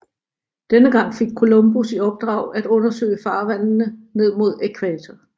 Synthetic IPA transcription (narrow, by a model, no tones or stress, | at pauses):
d̥enəɡ̥ɑ̈ŋ̰fe̝ɡ̥̚kʰo̝lɔ̽mb̥usiɒ̽b̥̚d̥ʁɑ̈ʊæd̥ɔ̽nɐsø̰ːɪəfɑ̈ːʋæn̰nəne̝ð̞̰ˠmo̝ð̞̰ˠekʰʋæːt͡sʰɐ